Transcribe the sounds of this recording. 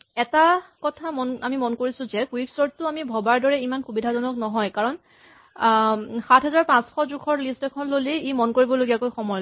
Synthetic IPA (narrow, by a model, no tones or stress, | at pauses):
ɛtakɔtʰamɔnamimɔnkoɹisʊ̃zɛkuiksɔɹtːʊamibʱɔbaɹdɔɹɛimanxubidʱazɔnɔknɔɦɔjkaɹɔn | xatʰɦɛzaɹpãsxɔdɹukʰɔɹlistɛkʰɔnloliimɔnkoɹibɔloɡijakojxɔmɔjl